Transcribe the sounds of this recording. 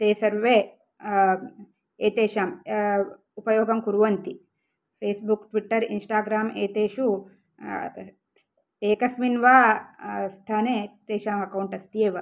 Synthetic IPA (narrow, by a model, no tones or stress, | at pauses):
t̪eːsɐɾʋe | eːt̪eːʃaːm | upɐjoːɡɐmkuɾuʋɐnt̪i | pʰeːsbukʈʋiʈːɐɾḭnsʈaːɡɾaːmeːt̪eːʃu | t̪eːkɐsminʋaːst̪ʰaːnet̪eːʃaːmɐkɐwɳʈɐst̪ieːʋɐ